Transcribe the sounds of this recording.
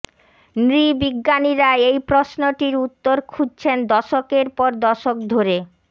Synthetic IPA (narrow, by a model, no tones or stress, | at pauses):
nɾibiɡːaniɾaeejpɾosnoʈiɾut̪ːoɾkʰud͡ʑ̚t͡ɕʰend̪ɔʃokeɾpɔɾd̪ɔʃok̚d̪ʱoɾe